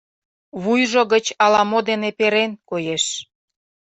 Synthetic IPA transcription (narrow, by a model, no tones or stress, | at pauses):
βujʒoɣət͡ɕɑlɑmod̪enepeɾenkojeʃ